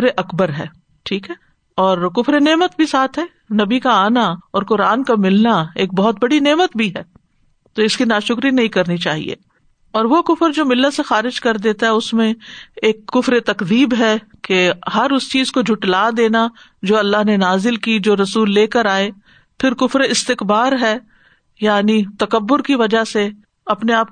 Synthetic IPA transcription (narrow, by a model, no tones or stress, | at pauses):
ɾeʔɐkbəɾɦɛ̰ː | ʈʰiːkɦɛː | ɔːɾkʊfɾeneːmət̪̚bʱisaːt̪ʰɦɛː | nɐbikaaːnaɔːɾkʊɾaːnkamɪlnaeːk̚bɔɦʊt̪̚bɐɽineːmət̪bʱiɦɛː | t̪oɪskinaːʃʊkɾinɐɦĩkɐɾnit͡ʃaːɦḭḛː | ɔːɾʋokʊfəɾd͡ʒoːmɪlːəsexaːɾɪd͡ʒkɐɾd̪eːt̪aɦɛʊsmẽeːkːʊfɾet̪ɐkd̪iːbɦɛkehɐɾʊst͡ʃiːzkod͡ʒʱʊʈlaːd̪eːna | d͡ʒoːɐlːaɦnenaːzɪlkid͡ʒoːɾɐsuːlːeːkəɾaːe | pʰɪɾkʊfɾeɪst̪ɪkbaːɾɦɛː | jaːnit̪ɐkɐbːʊɾkiʋɐd͡ʒaɦse | ɐpneaːp̚